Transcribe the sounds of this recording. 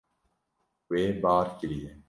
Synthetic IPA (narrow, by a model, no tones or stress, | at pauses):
weːbaːɾkelieː